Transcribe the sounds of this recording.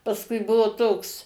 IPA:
pɐsˈkʊɪ ˈbʊʋoː ˈtoːks

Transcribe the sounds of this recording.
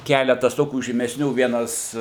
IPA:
ˈkʲæːlʲɛtɐs ˈtoːkʲuː ʒʲiːmʲɛsʲˈnʲuː ˈʋʲiɛnɐs

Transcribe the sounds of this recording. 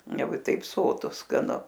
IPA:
ˈjɛʊ ɪ tɐɪp ˈsoːtʊ skɐˈnʊ

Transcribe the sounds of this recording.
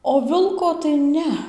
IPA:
oː ˈʋʲɪlˠkoː tɐɪ ˈnʲɛ

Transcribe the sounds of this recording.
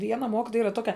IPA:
ˈʋʲiɛnɐ ˈmoːkʲɪtoːjɛ ˈiːrɐ ˈtoːkʲɛ

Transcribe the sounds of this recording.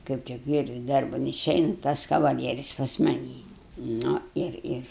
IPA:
kɐɪp tʲɪk ˈʋʲiːrs ˈdɐrbɐn ɪˈʃʲɛɪnɐ tɐs kɐʋɐˈlʲiɛrʲɪs pɐs mɐˈnʲiː ˈnʊ ˈɪr ˈɪr

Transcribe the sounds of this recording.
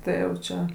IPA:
ˈtɐɪ jɛʊ ˈt͡ʃʲɛ

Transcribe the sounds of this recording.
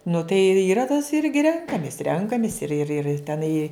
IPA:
nʊ tɐɪ ɪ iːˈrɐ tɐs ˈɪrʲɡʲɪ ˈrʲɛŋkɐmʲɪs ˈrʲɛŋkɐmʲɪs ɪr ɪr ɪr tʲɛˈnɐɪ

